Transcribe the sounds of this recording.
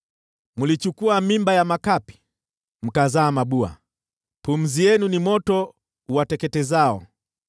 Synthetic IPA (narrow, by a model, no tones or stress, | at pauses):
mulit͡ʃukuamimbajamakapi̥ | m̩kazaːmaɓua̰ | pum̩zijɛnunimɔtɔ | watɛkɛtɛzaɔ